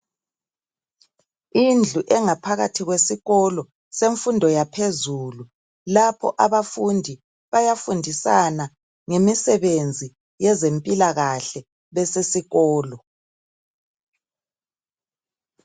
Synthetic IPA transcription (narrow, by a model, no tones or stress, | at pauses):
ind͡ɮʱuʔɛŋapʰaɣatʰiɣwesiɣɔlɔ | seɱfundʱɔjapʰezulu | lapʰɔ̰ʔaβafundʱi | βajafundʱisana | ŋemisɛβend͡zʱi | jɛzempʼilaɣaɬɛ | βɛsesiɣɔːlɔ